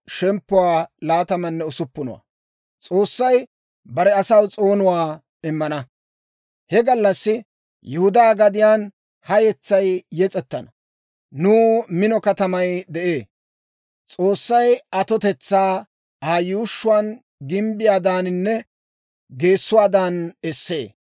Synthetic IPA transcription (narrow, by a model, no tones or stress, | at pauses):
ʃɛmpːʊwaːlaːt̪ɐmɐnːɛʊsʊpːʊnʊ̰wa̰ | t͡sʼo̞ːsːɐj | bɐɾɛɐsɐwt͡sʼo̞ːnʊwaː | ɪmːɐnɐ | hɛɡɐlːɐsːɪ | jɛhʊd̪aːɡɐd̪ɪjaːn | hɐjɛt͡sːɐjjɛt͡sʼɛt̪ːɐnɐ | nuːmɪnɔkɐt̪ɐmɐjd̪ɛʔe̞ː | t͡sʼo̞ːsːɐjɐt̪ɔt̪ɛt͡sːaː | aːjuːʃːʊwaːn | ɡɪmbɪjaːd̪aːnɪnːɛ | ɡe̞ːsːʊwaːd̪aːnɛsːe̞̰ː